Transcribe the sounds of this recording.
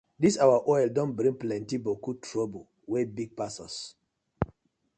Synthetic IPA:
disawaʔɔjldɔ̃nbɾĩŋplɛ̃ntibokutʰɹɔbu | wɛbiɡ̚pasɔs

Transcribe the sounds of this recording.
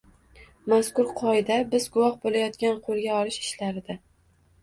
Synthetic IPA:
maskʊɾqʰɒɪd̪abɪzɡʊwɒhbolajɒt̪kʲanqʰolˠɡʲaɒlɪʃɪʃlaɾɪd̪a

